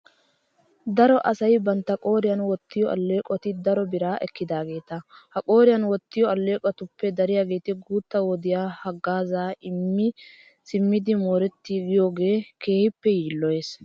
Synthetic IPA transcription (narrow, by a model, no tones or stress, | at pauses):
d̪ɐɾɔʔɐsɐjbɐnt̪ːɐkʼo̞ːɾɪjɐnwɔt̪ːɪjɔʔɐ̰lːe̞ːkʼɔt̪ɪd̪ɐɾɔbɪɾaːʔɛkːɪd̪aːɡe̞ːt̪ɐhɐkʼo̞ːɾɪjɐnwɔt̪ːɪjɔɐlːe̞ːkʼɔt̪ʊpːɛd̪ɐɾɪjaːɡe̞ːt̪ɪɡuːt̪ːɐwɔd̪ɪjaːhɐɡːaːzaːʔɪmːɪ | sɪmːɪd̪ɪmoːɾɛt̪ːiɡɪjoːɡe̞ːke̞ːhɪpːɛjiːlːɔjeːs